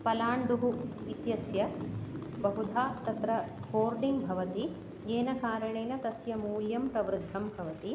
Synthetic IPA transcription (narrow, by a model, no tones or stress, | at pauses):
pɐlaːɳɖuɦuʋit̪jɐsjɐ | bɐɦud̪ʱaːt̪ɐt̪ɾɐhoːɾɖiŋɡbʱɐʋɐt̪i | ɡeːnɐkaːɾɐɳeːnɐt̪ɐsjɐmuːljɐmpɾɐʋɾud̪ʱːɐmbʱɐʋɐt̪i